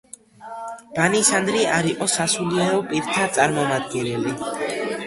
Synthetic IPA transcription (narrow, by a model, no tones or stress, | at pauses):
b̥anisand̪ɾiaɾiqʼɔsasuliɛɾɔpʼiɾt̪ʰat̪sʼaɾmɔmad̪̚ɡɛnɛli